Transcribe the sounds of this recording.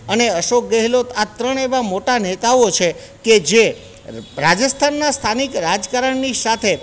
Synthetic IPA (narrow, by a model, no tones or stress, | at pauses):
əneəʃok̚ɡəɦelot̪at̪ɾəɳeʋamoʈanet̪aot͡ʃʰe | ked͡ʒe | ɾad͡ʒəst̪ʰanːast̪ʰanikɾad͡ʒkaɾəɳnisat̪ʰe